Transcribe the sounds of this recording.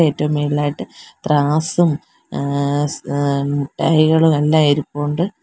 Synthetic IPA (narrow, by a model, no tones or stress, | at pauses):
e̞ːtːɐʋumːʋeːɭilaːjiʈːɨt̪raːsum | muʈːaːjiɣɐɭumelːãːiɾupːoːɳɖɨ